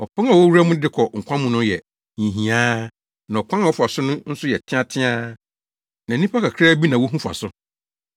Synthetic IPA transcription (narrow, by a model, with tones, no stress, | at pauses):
ɔ˨pʰɔ̃˦ŋa˨wɔ˦wu˦ɾa˦mʊ̃˦dɪ˦kʰɔ˨ŋ̩˨kʷʰã˦mʊ̃˦nʊ̃˦jɛ˨ | ɲĩ˨ɦĩ˨aː˦ | nã˨ɔ˨kʷʰã˦ŋa˨wɔ˦fa˨sʊ˦nʊ̃˦n̩˦sʊ˦jɛ˨tʰɪ̃˦ã˦tʰɪ̃˦a˦ | nã˨˦nĩ˦pʰa˦kʰa˨kʰɾa˦bi˦nã˨wo˦ɦũ˦fa̰˨sʊ˦